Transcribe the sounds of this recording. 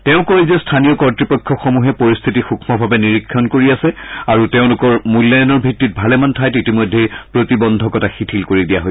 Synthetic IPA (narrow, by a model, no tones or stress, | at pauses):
tɛʊ̃kɔɹizɛstʰanijɔkɔɹtɹipɔkʰːɔxomuɦɛpoɹist̪ʰitixukʰmɔbʱabɛniɹikʰːɔnkoɹiasɛaɹutɛʊ̃lʊkɔɹmulːajɔnɔɹbʱitːit̚bʱalɛmantʰajtitimojdʱːejpɹotibɔndʱɔkɔtaxitʰilkoɹidijaɦoj